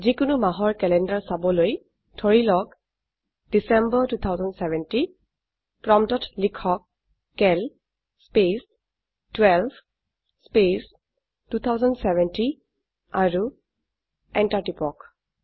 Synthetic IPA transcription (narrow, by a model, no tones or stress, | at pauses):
zikʊnumaɦɔɹkɛlɛndaɹsabɔloj | tʰɔɹilɔk | d̥isɛmbɔtut̪ʰawzɔndsɛvɛnti | pɹɔmtɔtlikʰɔk̚ː | ɛl | spes | twɛlb | spes | tut̪ʰawzɔndsɛvɛnti | aɹu | ɛntaɹtipɔk